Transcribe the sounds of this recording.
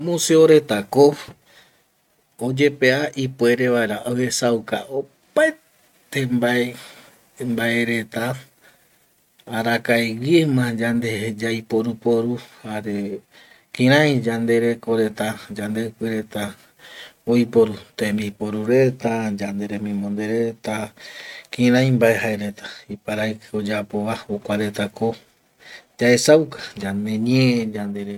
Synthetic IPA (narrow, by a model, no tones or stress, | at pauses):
mũseoɾe̞t̪ako | od͡ʒe̞pe̞aʔipwe̞ɾe̞βaeɾaʔoesawka̰ʔo | pae | t̪embae | mbaeɾe̞t̪a | ɾakajwimãd͡ʒand̪ed͡ʒajpoɾupoɾuhaɾe̞ | kĩɾãj̃d͡ʒand̪e̞ɾe̞koɾe̞t̪ad͡ʒand̪ekɨɾe̞t̪a | ojpoɾut̪embipoɾuɾe̞t̪ad͡ʒand̪eɾemĩmõnd̪eɾe̞t̪a | kĩɾãj̃mbaeɦaeɾe̞t̪ḁipaɾajkod͡ʒapo̞βaokʷaɾe̞t̪ako̞ | d͡ʒaesawkḁd͡ʒand̪e̞ɲẽd͡ʒand̪eɾe